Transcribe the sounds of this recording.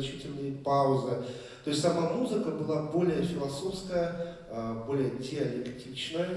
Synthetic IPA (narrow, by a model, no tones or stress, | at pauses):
t͡ɕitʲɪlʲnʲəjpaʊzɨ | t̪o̞jsʲt̪ʲsɐmamuzɨkəbɨlˠabo̞lʲɪjəfʲɪlˠɐsofskəjə | bo̞lʲɪjədʲɪɐlʲɪktʲit͡ɕnəjə